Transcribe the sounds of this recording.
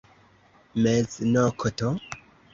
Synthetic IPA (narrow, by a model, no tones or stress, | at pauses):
meznokʰoto